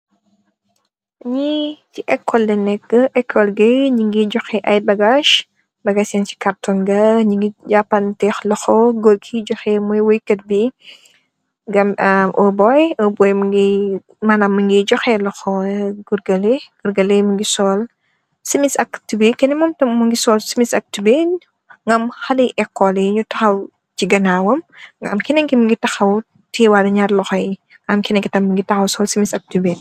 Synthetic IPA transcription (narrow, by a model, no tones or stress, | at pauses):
ɲiciʔɛkʰːɔldɛnɛkːəʔɛkʰːɔlɡɐjɲiŋɡiɟɔxɛʔɐjbɐɡaʃ | bɐɡaːsjɛnt͡ʃi̥kɐrtɔnɡɐɲiŋɡiɟapːɐntɛxlɐxɔɡɔlkʰiɟɔxɛmujwɔjkːɐt̚bi | ɡɐmɐʔɔbɔjɔbɔjmuŋɡi | maːnaːmːɐŋɡid͡ʒɔxɛlɔxɔɡuɾɡɐleɡ̥uɾɡɐlemuŋɡisɔːl | simisɐktubekɛnɛmɔmtɐmmuŋɡisɔːlsimisɐk̚tuben | ŋɡɐmxɐliʔɛkːɔlɛjiɲutɐxɐw | t͡ʃiɡɐnaːwɐmɡɐ̰mkinɐŋkimuŋɡitɐxɐw | tiwaɾɐɲarlɔxɔji | ŋɡɐmkinɛŋkitɐmːuŋɡitɐxɐwsɔːlsimisɐk̚tuben